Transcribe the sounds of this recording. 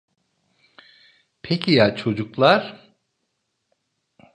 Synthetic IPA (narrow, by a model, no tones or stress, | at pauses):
pʰecʰijat͡ʃʰo̞d͡ʒuklˠaɾ̥